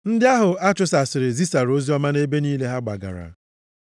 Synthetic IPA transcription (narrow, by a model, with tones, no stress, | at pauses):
n̩˦dɪ˦a˦ɦʊ˨a˦t͡ʃʊ˨sa˨sɪ˨ɾɪ˨zi˦sa˨ɾo˦zi˦ɔ˦ma˦ne˦be˦niː˦le˦ɦa˦ɡ͡ba̰˨ɡa̰˨ɾa̰˨˦